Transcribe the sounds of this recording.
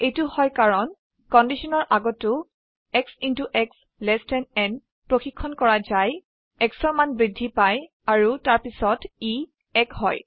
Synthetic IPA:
ejtʊhɔjkaɹɔn | kɔndisɔnɔɹʔaɡɔtːʊ | ɛksintuʔɛks | lɛstɛnɛn | pɹoxikʰːɔnkɔɹazaj | ɛksɔɹmanbɹidʱːipaj | aɹutaɹpisɔti | ɛkhɔ̰j

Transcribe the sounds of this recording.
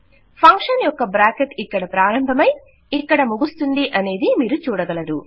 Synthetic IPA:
pʰɐŋkʂɐnjɔkːɐbɾaːkeʈikːɐɽɐpɾaːɾɐmbʱɐmɐj | ikːɐɽɐmuɡust̪und̪iʔɐne̞ːd̪imiːɾut͡ʃuːɽɐɡɐlɐd̪u

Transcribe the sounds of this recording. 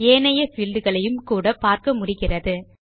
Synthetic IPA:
eːnɐjɐsɪld̪ɯɣɐɭɐjɯmkuːɽɐpaːɾkɐmʊɽɪɣɪrɐðɯ

